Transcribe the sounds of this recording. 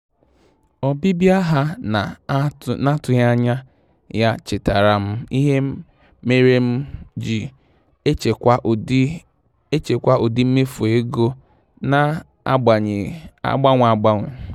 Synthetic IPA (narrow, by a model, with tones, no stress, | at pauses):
ɔ˨bi˦bja˦ɦa˦na˨na˦tʊ˨ja˦ɲa˦ | ja˦t͡ʃɪ˨ta˨ɾa˨m̩˦i˦ɦe˦ | me˦ɾe˦m̩˦d͡ʒi˨˦˨ | e˦t͡ʃe˨kʷa˦ʔo˨di˦m̩˦me˦fu˨e˦ɡo˦ | na˦ | ɡ͡ba˨ɲ˨a̰˦˨ɡ͡ba˦ŋʷ˨a˨ɡ͡ba˦ŋʷʊ˨